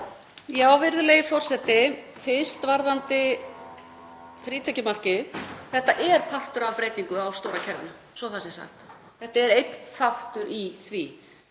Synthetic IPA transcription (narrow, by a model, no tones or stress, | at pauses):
jaːwvɪɾðʏlejɪfɔr̥sɛt̪ɪ | fɪst̪vaɾðant̪ɪ | fɾiːt̪ʰɛcɪmar̥cɪθθɛht̪aʔɛɾ̥pʰar̥t̪ʏɾavpɾeːjt̪iŋkʏawst̪owɾacʰɛɾvɪna | svɔθasɪsa̰xt̪ | θɛht̪aɛɾejt̪nθawht̪ʏɾiθvi